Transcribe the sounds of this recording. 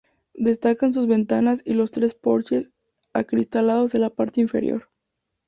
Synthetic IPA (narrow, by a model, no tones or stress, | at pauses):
d̪e̞st̪akans̬uzβe̞nt̪anasilo̞st̪ɾe̞spo̞ɾt͡ʃe̞s | akɾist̪alaðo̞zðe̞lapaɾt̪eiɱfe̞ɾjo̞̰ɾ